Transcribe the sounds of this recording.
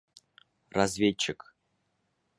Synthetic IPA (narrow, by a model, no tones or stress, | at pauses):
razvʲet͡ɕːɪk